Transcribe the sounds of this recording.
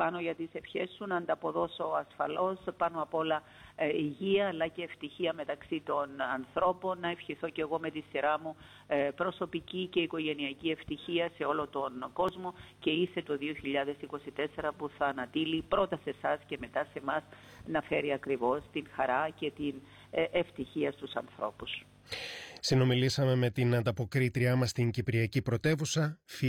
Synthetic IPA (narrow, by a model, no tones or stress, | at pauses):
pɐno̞ʝɐt̪ise̞fçe̞sːunɐnd̪ɐpo̞ðo̞so̞ɐsfɐlo̞spɐnoɐpo̞lɐ | iʝiɐːlːɐceːft̪içiɐme̞t̪ɐksit̪o̞nɐnθɾo̞po̞nːɐefçiθo̞ce̞ɣo̞me̞t̪isiɾɐmu | pɾo̞so̞picice̞iko̞ʝe̞niɐcie̞ft̪içiɐse̞o̞lo̞t̪o̞nɡo̞zmo̞ce̞ise̞t̪o̞ðio̞çiʎɐðe̞siko̞sit̪e̞se̞ɾɐpuθɐːnɐt̪ilipɾo̞t̪ɐse̞sɐsce̞me̞t̪ɐse̞mɐsnɐfe̞ɾiɐkɾivo̞st̪iŋxɐɾɐce̞t̪in | ʔeft̪içiɐst̪usɐ̰nθɾo̞̰pus | sino̞milisɐme̞me̞t̪inɐnd̪ɐpo̞kɾit̪ɾiɐmɐst̪iɲɟipɾiɐcipɾo̞t̪e̞vusɐfi